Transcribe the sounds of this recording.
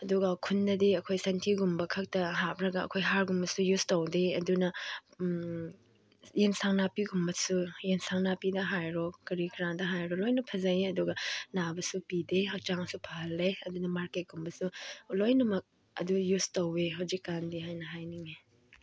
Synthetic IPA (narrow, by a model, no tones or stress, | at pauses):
ɐduɡɐkʰunːɐdiɐkʰojsɐntʰiɡumbɐkʰɐk̚tɐɦapɾɐɡɐɐ̰kʰojɦaɾɡumbɐsujustowdeɐdunɐ | jensaŋnapiɡumbɐsujensaŋnapidɐɦajɾɔkɐɾikɾaŋdɐɦajɾɔlojnɐpʰɐzajeɐduɡɐnabɐsupideɦɐk̚t͡ʃaŋsupʰaɐlːeɐdunɐmaɾket̚ɡ̥umbɐsulojnɐmɐk̚ | ɐ̰dujustoweɦɐwzikːandiɦajnɐɦajniŋe